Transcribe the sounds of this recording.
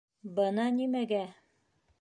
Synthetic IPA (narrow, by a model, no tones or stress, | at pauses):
bɤnɑnimæɡæ